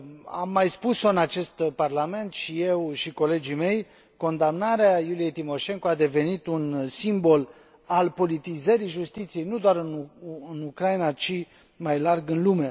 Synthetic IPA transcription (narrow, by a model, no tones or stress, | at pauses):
a̰mːajspuso̞ɨnat͡ʃe̞st̪parlame̞nt̪ʃije̞wʃiko̞le̞d͡ʒime̞j | ko̞nd̪amnaɾeajulijejt̪imo̞ʃe̞ŋkoad̪e̞ve̞nit̪unsimbo̞l | alpo̞lit̪izəɾijʒust̪it̪sije̞jnud̪oaɾɨnɨnukɾajinat͡ʃi | majlarɡɨnlume̞